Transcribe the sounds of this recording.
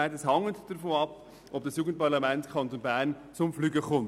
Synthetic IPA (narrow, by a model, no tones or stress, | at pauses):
ɛɪtɛshɑŋətd̥əɾfoːnɑp | ʔɔp̚d̥ɑsjuːɡən̩t̚pɑʁlɑmɛntkʰɑntonbæːɾn | t͡sʊmflyːɡəkʊm